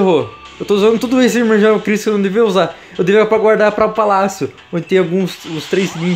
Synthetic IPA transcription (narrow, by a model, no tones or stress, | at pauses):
ɦoɾ | ewt̪ouzɐ̃nd̪ʊt̪ud̪ʊesɪd͡ʒɪmeʒinaʊkɾisʊkewnɐ̃w̃d̪eviɐuza | ewd̪eviapɾɐɡwaɾd̪aɾpɾɐʊpalasjʊ | õd͡ʒɪt̪ẽawɡũsʊst̪ɾejsnĩ